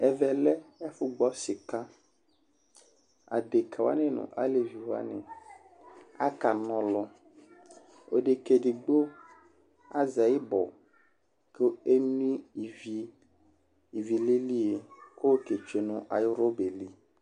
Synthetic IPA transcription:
ɛ˨vɛ˨lɛ˦ɛ˦fu˦ɡ͡bɔ˦si˨ka˦ | a̰˨d̪e˨ka˨wa̰˦nẽ˦nṵ̃˨ʔa̰˦le˨vi˨wo˦a̰˦nḛ̃˨ | a̰˦ka˨nɔ̃˨lɔ˦ | o̰˦ɖe˨ke˨di˨ɡ͡bo˦ | a˦za˨ji˦bɔ̰˨ | ke˦e˦nĩ˦i˨vi˦ | i˨vi˨li˦li˦e˨ko˦ke˨t͡ʃe˨nũ˨ʔa˨jo˦ɾo˦be˨li˦

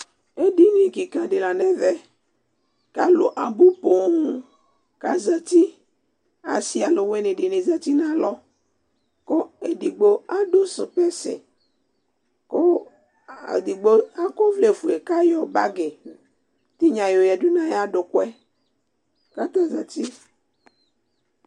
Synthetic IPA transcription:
e˦di˦nĩ˨ki˨kã˨ɖe˨la˨nɛ˦vɛ˦ | ka˦lo˨ʔa˨bo˦po˨˦ŋũ˦ | ka˨za˨t̪i˦ | a̰˨si˦a˨lo˨we˦nẽ˨ɖe˨ne˨za˦t̪i˦nã˦lɔ˦ | ko˦e˨di˨ɡ͡bo˦a˦ɖo˦so˨pɛ˦sḛ˨ | ko˦˨ | di˨ɡ͡bo˦a˦˨ko˦vle˨fu˨e˨ka˦jɔ˨ba˦ɡe˨ | t̪i˦ɲã˨jo˨ja˨du˦nã˦ja˦ɖo˨kwɛ˦ | ka˦t̪a˦za˨t̪i˦

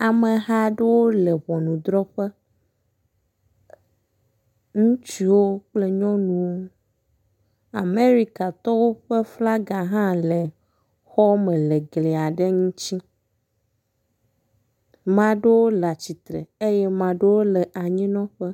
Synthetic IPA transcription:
a˨mẽ˨ɦa˦ɖe˦wo˦lɛ˨βɔ˨nũ˨d̪ɾɔ˦ɸe˦ | ŋũ˦t͡ɕi˦wo˦k͡ple˦ɲɔ̃˦nũ˨wo˦ | a˨me˦ɾi˦ka˨t̪ɔ˦wo˦ɸe˦fla˦ɡa˨ɦã˦le˨ | xɔ˦mẽ˨le˨ɡle˨a˨ɖe˦ŋũ˦t͡ɕi˦ | mã˨ɖe˦wo˦la˨t͡ɕi˨t̪ɾḛ˨e˦jɛ˦mã˨ɖe˦wo˦lɛ˨ʔa˨ɲĩ˦nɔ̃˦ɸe˦

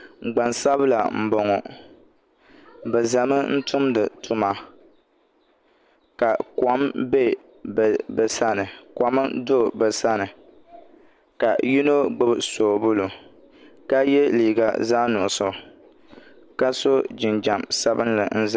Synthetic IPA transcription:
ɡ͡ba˨nsa˦βla˨m̩˨bɔ˨ŋɔ˨ | bɛ˨za˨mɨ˦n̩˦tʊ˦mdɨ˨tu˦ma˨ | ka˨kwa˨˦mbe˦ | bbɛ˨sa˦nɨ˨kwa˨˦mɨ˦do˦˨bɛ˨sa˦nɨ˨ | ka˨ji˦no˦ɡ͡bɨ˦bɨ˦˨so˨bʊ˦lu˨ | ka˦jɛ˦liː˨ɡa̰˨zaː˦nʊ˨sɔ˨ | ka˦so˦d͡ʒɪ˨nd͡ʒa˨msa˦bɨ˦nlɨ̰˨n̩˦zɨ˦

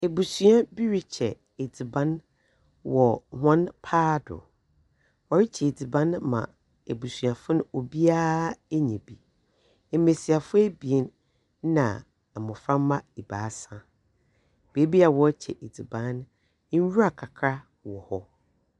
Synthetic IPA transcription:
e˨bu˨sũ˨˦a˦bi˦ɾi˦t͡ɕʰɛ˨ | e˨d͡zi˨bã˦n | wɔ˨hã˦npʰaː˦dʊ̰˨ | wɔ˨ɾi˦t͡ɕʰɛ˨e˨d͡zi˨bã˦nmã̰˨ | e˨bu˨sũ˨a˨fʊ˦nʊ̃˦o˨bi˦aː˦e˦ɲɛ̃˨bi˨ | ɛ˨mẽ˨si˨a˨fʊ˦æ˦bi˨e˨˦n˦ | nã̰˨ | mʊ̃˨fɾã˦mã˦i˨baː˨˦sã˦ | b̥e˨˦bi˦a˨wɔ˦t͡ɕʰɛ̰˨ʔe˨d͡zi˨bã˨˦n̩˦ | ɥu˦a˨kʰa˨kʰɾa˦ | wɔ˨hɔ˦

